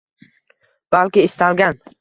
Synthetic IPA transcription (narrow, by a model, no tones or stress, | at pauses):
b̥alkʲɪːst̪ʰalɡʲan